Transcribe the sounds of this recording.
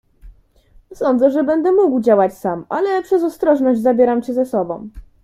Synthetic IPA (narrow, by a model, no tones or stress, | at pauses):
sɔnd̪zɛʐɛbɛnd̪ɛmuɡwd͡ʑawat͡ɕsamʔa̰lɛpʂɛzɔst̪ɾɔʐnɔʑd͡ʑʲzabʲjɛɾamt͡ɕɛzɛsɔbɔ̰̃w̃